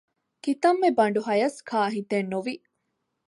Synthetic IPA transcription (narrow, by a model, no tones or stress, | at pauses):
kit̪ɐmːebɐɳɖuɦɐjɐskʰaːɦit̪enːuʋi